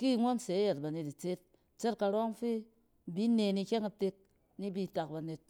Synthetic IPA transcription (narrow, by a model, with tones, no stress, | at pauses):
ki˦˨ŋo˦nse˨˦ja˨t̚ba˨ne˨ti˨t͡se˦t̚ | t͡ʃe˦t̚ka˨ɾo˦ŋfi˦˨ | bi˦ne˨ni˧kʲe˦ŋa˨te˧k̚ | ni˦bi˦ta˨k̚ba˨ne˨t̚